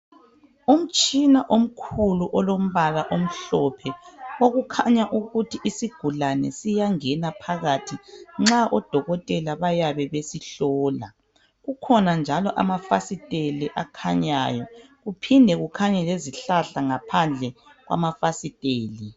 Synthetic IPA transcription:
um̩t͡ʃʼinaʔom̩kʰuluʔɔlom̩βalaʔom̩ɬɔpʰɛoɣukʰaɲaʔuɣutʰiʔisiɡ̥ʱulanɛ̰sijaŋɛnapʰaɣatʰiŋ͡ǁaʔɔd̥ʱɔɣɔtʼɛlaβajaβɛβesiɬɔːla̰ | ɣukʰɔnand͡ʒʱalɔʔa̰mafasitʼeliʔakʰaɲa̰ːjɔɣupʰindʱɛɣukʰaɲɛleziɬaɬaŋapʰand͡ɮʱɛ | ɣwa̰mafasitʼeːli

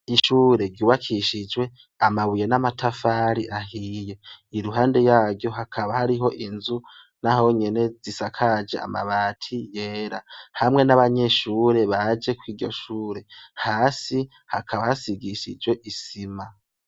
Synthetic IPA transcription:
iʃuːɾe̞ɡɟuːβakʰiʃid͡ʒwe̞ | amaβuje̞namatʰafaɾiʔaɦiːje̞iɾuɦaːnde̞jaːɡjo̞ɦakʰaβahaɾiɦo̞ʔinzu | naɦo̞ɲe̞ne̞zisakʰad͡ʒea̰ma̰βaːtʰijeːɾahamŋe̞naβaɲe̞ʃuːɾe̞βad͡ʒe̞kwiːɾɟo̞̰ʃuːɾe̞haːsi | hakʰaβahasiɡiʃḭd͡ʒwe̞ʔisima

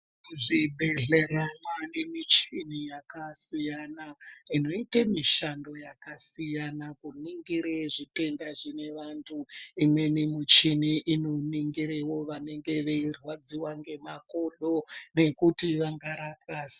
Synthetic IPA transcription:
uʐibʱe̞ɮe̞ɾanwanemit͡ʃinijakasijanaino̞itamiʃando̞jakasijanakuniŋɡiɾeʐite̞ndaʐine̞ʋantʰuimwe̞nimut͡ʃiniʔino̞niŋɡiɾewo̞ʋane̞ŋɡe̞ʋe̞irwad͡ziwaŋɡe̞mako̞ɗo̞ne̞kutiʋaŋɡaɾakaːsi̥

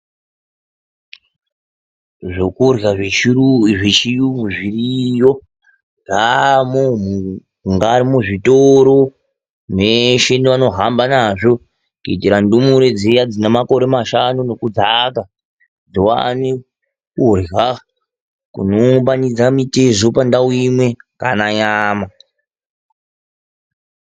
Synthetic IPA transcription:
ʐokurjaʐeiʐet͡ʃijumuʐirijo | ŋɡamomu | ŋɡaːɾimuʐitoɾo̞ | neʃendeʋano̞ɦambanaʐo̞ | kuitiɾandumuɾe̞d͡zejad͡zinemako̞ɾe̞maʃanuno̞kud͡zaka | d͡zowa̰ne | kurɣa | kṵnombanid͡zamitezopandawuimwe̞ŋɡanaɲaːma

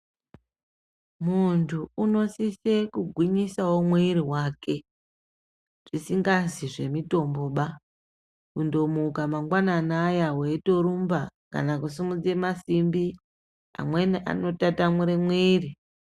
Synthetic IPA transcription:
muntʰuuno̞sisekuɡʱwiɲisawo̞mweiɾiwaːke̞ | ʐ̥isiŋɡaziʐe̞mito̞mbo̞ɓa | kundo̞mukamaŋɡwananajaweto̞ɾumbaka̰nakus̬imud͡ze̞masimbi | a̰mwe̞niʔa̰no̞tatamuɾemweːri

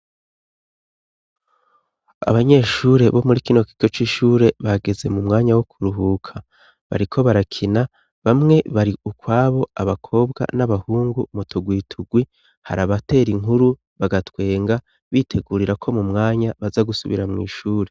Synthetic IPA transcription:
a̰βaɲe̞ʃuːɾe̞βo̞muɾikino̞kiɡo̞t͡ʃiːʃuːɾe̞βaɡe̞ze̞mumŋaːɲawokʰuɾuɦuːkʰa | βa̰ɾikʰo̞βaɾakʰina | βamŋe̞βaɾiʔukwaːβo̞aβakʰo̞ːbɡa̰naβahuːŋɡumutʰoɡwiːtʰuɡwi | ha̰ɾaβate̞ːɾiŋuɾu | βaɡatwe̞ːŋɡa | βiːtʰeɡuɾiɾakʰo̞mumŋaːɲaβazaɡusuβḭɾamŋḭːʃuːɾe̞

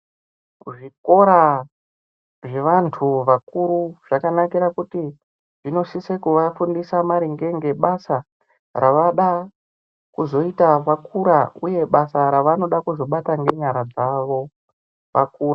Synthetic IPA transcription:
ʐiko̞ɾa | ʐe̞ʋantʰuʋakuɾuʐ̥akanakiɾakuti | ʐino̞sisekuʋafundisamaɾiŋɡe̞ŋɡe̞ɓasa | raʋaɗa | kuzo̞itaʋakuɾauje̞ɓasaɾaʋano̞ɗakuzo̞ɓataŋɡe̞ɲaɾad͡zaʋo̞ | ʋakuːra

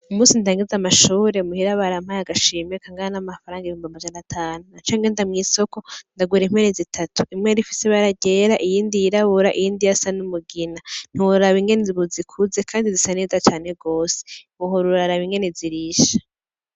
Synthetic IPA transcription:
umuːsintaːŋɡizamaʃuːɾe̞muhiɾaβaɾam̥hajaɡaʃiːmekaŋɡaɾanamafaɾaːŋɡaiiuːmbimad͡ʒanatʰaːnunat͡ʃaŋɡeːndamŋiːso̞ko̞ndaɡwiɾem̥wenezitʰatuʔimŋeɾifi̥seβaɾaɟeːɾaʔijiːndijiɾaβuɾaʔijiːndijasanumuɡinan̥uɾaβiŋɡe̞neβuzikʰuze̞kʰaːndizisane̞ːzat͡ʃaːne̞ɡo̞ːse̥ | uɦoɾuɾaɾaβiŋɡe̞neziɾiʃḁ

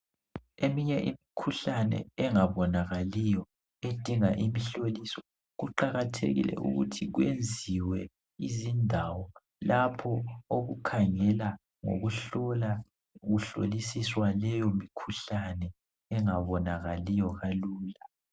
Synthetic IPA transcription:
emiɲɛʔimikʰuɬanɛ̰ɛŋaβɔnaɣalijɔ | ed̥ʱiŋaʔimiɬolisɔ̥ | ɣuǃaɣatʰḛɣḭlɛ̰ṵɣṵtʰiɣwend͡zʱiwɛ | izindʱawɔ | lapʰɔoɣukʰaŋɛla | ŋo̰ɣuɬɔla | ɣuɬo̰lisiswalɛjomikʰuɬanɛ | ɛŋaβɔnaɣalijɔɣaluːla

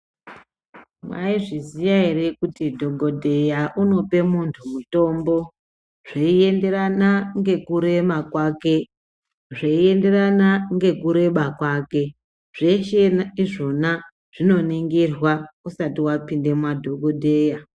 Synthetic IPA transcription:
mwaiʐizijaɦeɾe̞kutidʱo̞ɡʱo̞dʱe̞jaʔuno̞pe̞muntʰumuto̞ːmbo̞ | ʐ̥eie̞nde̞ranaŋɡe̞kuɾe̞makwake̞ | ʐeie̞nde̞ranaŋɡe̞kuɾe̞ɓakwaːke̞ | ʐ̥e̞t͡ʃenaiʐo̞na | ʐ̥ino̞niŋɡirwausatiwapinde̞mwadʱo̞ɡʱodʱe̞ːja

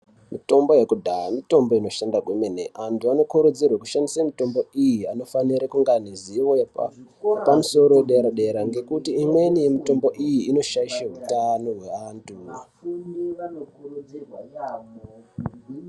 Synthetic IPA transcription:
mito̞mbo̞je̞kudʱaamito̞mbo̞ino̞ʃandaɡʱwemeneʔantuano̞kuɾud͡zirwaku̥ʃandisamito̞mbo̞ijiano̞faniɾakuŋɡaniziwoa̰pamuso̞ɾo̞eɗeɾaɗe̞ɾaŋɡe̞kutiːmwe̞nije̞mito̞mbo̞ʔijiino̞ʃaiʃaɦutano̞ɦwe̞antʰu

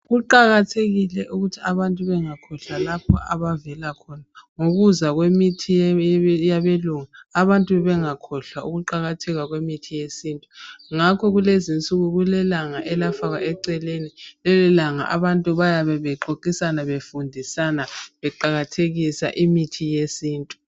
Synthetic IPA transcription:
ɣuǃaɣatʰeɣilɛʔuɣutʰiaβantʼuβɛŋakʰɔɬalapʰɔaβavɛlakʰɔnaŋoɣuzaɣwemitʰijaβeluŋaːβantʼuβɛŋakʰɔɬauɣuǃaɣatʰɛɣwaɣwemitʰijesiːntʼuŋakʰɔɣulezint͡sʼuɣuɣulɛlaŋaʔɛlafaɣaʔɛǀɛlenilɛlɛlaŋa̰ʔa̰βantʼuβajaβɛβɛǃoǃisanaβefundʱisanaβɛǃaɣatʰeɣisa̰ʔimitʰijesiːntʼu̥

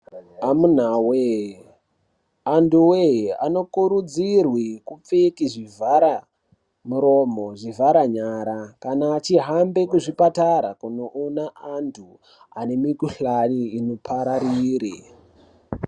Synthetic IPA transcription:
amun̤awe | anduwea̰no̞kuɾud͡zirwikup͡fekiʐivʱaɾa | muɾo̞mo̞ʐivʱaɾaɲaɾakanaːt͡ʃiɦambe̞kuʐipataɾa̰kunoʔonaʔantʰu | a̰ne̞mikuɬaniːnopʰaɾaɾiːɾi

